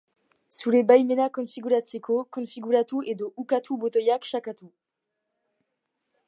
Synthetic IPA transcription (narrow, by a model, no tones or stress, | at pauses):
sulebajmenakɔ̃fiɡʲyʁasekokɔ̃fiɡyʁat̪uʔed̪oʔukat̪ʰubot̪ɔjakʃakat̪u